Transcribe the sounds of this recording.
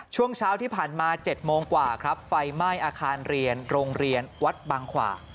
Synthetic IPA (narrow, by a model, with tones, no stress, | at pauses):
t͡ɕʰu˥˩əŋt͡ɕʰaː˦˥wt̪ʰiː˥˩pʰaː˨˩nmaː˧t͡ɕe˨˩t̪̚moː˧ŋkwaː˨˩kʰɾa˦˥p̚fa˧jmaː˥˩jʔaː˧kʰaː˧nɾi˧ənɾoː˧ŋɾi˧ənwa˦˥t̪̚baː˧ŋkʰwa̰ː˨˩